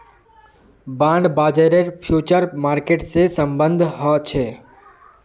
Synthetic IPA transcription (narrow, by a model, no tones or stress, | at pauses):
bãːɳɖbaːd͡ʒeɾeɾpʰjuːt͡ʃəɾmaːɾkeːʈsesəmbə̃nd̪ʱɦɔt͡ʃʰeː